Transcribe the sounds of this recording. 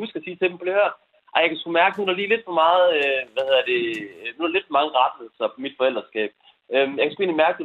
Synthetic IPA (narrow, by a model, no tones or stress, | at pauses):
husɡ̥ɐæsiːt͡sʰe̝d̥em̩pʰɒ̥̽ehøɐ̰̥ | ʔɑjɑ̈kʰæsɡ̥umæɐɡ̥ənudɑliːle̝d̥fɒ̽mɑ̈ːð̞̩ˠøʋæhe̝ð̰ˠɐd̥e̝nu̥ɑled̥fmɑ̈ŋəʁɑ̈d̥ləsɒpmid̥fɒ̽eld̥ɐsɡ̥ɛ̰ːb̥ | ømjɑkæsɡ̥ue̝ːnlimæɐɡ̥əde